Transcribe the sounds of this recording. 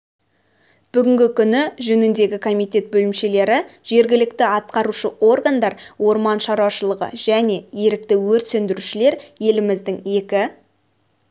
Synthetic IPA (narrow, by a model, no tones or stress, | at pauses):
b̥ʏɡʲɪŋɡʲɪkʲʰʏnɪʒɵnɪnd̪e̞ɡʲɪkʰo̞mijt̪ʲe̞t̪̚bɵlɪmʃe̞le̞ɾɪʒ̥e̞ɾɡʲɪlɪk̚t̪ɪɑt̪̚qɑɾuʃəʔo̞rɡand̪ɑɾwo̞ɾmɑnʃɑɾwɑʃəlˠəʁə̰ʒ̥æne̞je̞ɾɪk̚t̪ɪwɵɾt̪send̪ɪɾuʃɪle̞ɾje̞lɪmɪzd̪ɪŋe̞kʲɪ